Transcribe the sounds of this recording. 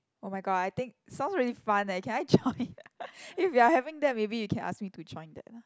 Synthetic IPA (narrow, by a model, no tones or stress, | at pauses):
omaɪɡɔdajt̪ɪ̃ŋk̚sãʊ̃nsɹilifãnãkʰɛ̃naɪd͡ʒɔ̃ɪ̃n | ifjiahɛvɪ̃ŋd̪ɛt̚mebijukʰɛ̃na̰skmitud͡ʒɔ̃ɪ̃nd̪ɛ̰t̚na